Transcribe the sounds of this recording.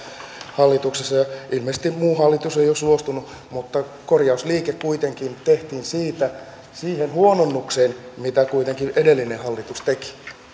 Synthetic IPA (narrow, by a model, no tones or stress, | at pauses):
hɑlːit̪uksesːɑjɑilmesest̪immuːhɑlːit̪usejosuost̪unu | mut̪ːɑ | korjɑusliːkekkuit̪eŋkint̪eht̪iːnsiːt̪æ | siːhenhuononːukseːnmit̪ækuit̪eŋkiʔedelːinehɑlːit̪ust̪eki̥